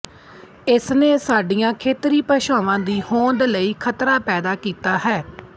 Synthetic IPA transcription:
ɪsneːsaːɖijãːkʰeːt̪ɾiːpəʃaːʋãːd̪iːhõːnd̪ləiːkʰət̪ɾaːpɛːd̪aːkiːt̪aːɦɛː

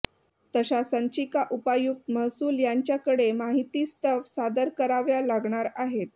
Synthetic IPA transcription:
t̪əɕasəɲt͡ɕikaʔupajuk̚t̪məɦsuːljaɲt͡ɕjakəɽemaɦit̪iːst̪əʋsad̪əɾkəɾaʋjalaɡɳaɾaɦet̪̚

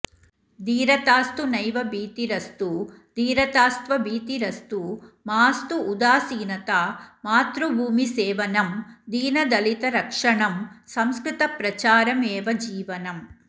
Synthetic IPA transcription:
d̪iːɾɐt̪aːst̪unɐjʋɐbiːt̪iɾɐst̪u | d̪iːɾɐt̪aːst̪ʋɐbiːt̪iɾɐst̪umaːst̪uːd̪aːsiːnɐt̪aːmaːt̪ɾubʱuːmiseːʋɐnɐmd̪iːnɐd̪ɐlit̪ɐɾɐkʂɐɳɐmsɐmskɾit̪ɐpɾɐt͡ʃaːɾɐmeːʋɐd͡ʒiːʋɐnɐm

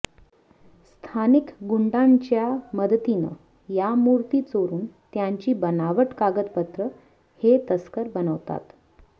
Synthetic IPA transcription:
st̪ʰanikɡuɳɖaɲt͡ɕjaməd̪t̪inə̰ | jamuɾt̪iːt͡soɾuːnt̪jaɲt͡ɕiːbənaʋəʈkaɡət̪pət̪ɾə | het̪əskəɾbənəʋt̪a̰t̪

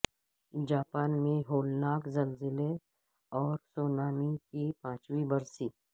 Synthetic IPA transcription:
d͡ʒaːpaːnmẽɦoːlnaːkzɐlzɪle | ɔːɾsoːnaːmikipãːt͡ʃwibɐɾsiː

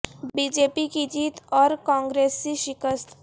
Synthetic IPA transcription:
biːd͡ʒeːpikid͡ʒiːt̪ɔːɾkãːŋɡɾeːsːiʃɪkəst̪ʰ

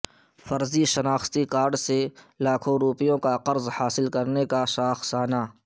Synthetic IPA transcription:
fɐɾziʃɐnaːxt̪ikaːɾɖselaːkʰõɾuːpijõkaqɐɾzhaːsɪlkɐɾnekaʃaːxsaːnaː

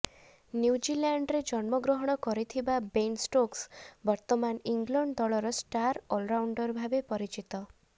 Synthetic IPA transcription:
njuwd͡ʒilaɳɖɾed͡ʒɔnmɔɡɾoɦɔɽ̃ɔkɔɾit̪ʰibabensʈoksbɔɾt̪ɔmaniŋɡlɔɳɖd̪ɔɭɔɾɔsʈaɾolɾawɳɖɔɾbʱabepɔɾit͡ʃit̪ɔ

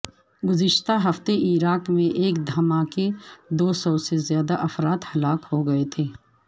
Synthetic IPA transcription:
ɡʊzɪʃt̪aɦɐft̪eʔiːɾaːkmẽʔeːkd̪ʱɐmaːked̪oːsɔːsezjaːd̪aʔɐfɾaːt̪hɐlaːkhoɡɐet̪ʰeː

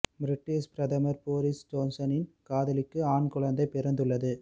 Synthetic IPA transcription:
bɾɪʈːɪʂpɾɐðɐmɐɾpoːɾɪsd͡ʒoːnsɐnɪnkaːðɐlɪkːɯaːɳkʊɻɐnd̪ɐɪpːɪɾɐnd̪ɯɭːɐðɯ

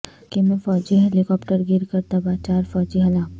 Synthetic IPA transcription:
kemẽfɔːd͡ʒiɦɛlɪkɔːpʈəɾɡɪɾkəɾt̪ɐbat͡ʃaːɾfɔːd͡ʒiɦɐlaː

